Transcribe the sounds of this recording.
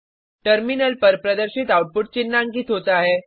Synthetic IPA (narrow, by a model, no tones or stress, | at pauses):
ʈəɾminəlpəɾpɾəd̪əɾɕiːt̪awʈ̚puʈ̚t͡ɕinːaŋɡiːt̪ɦot̪aɦe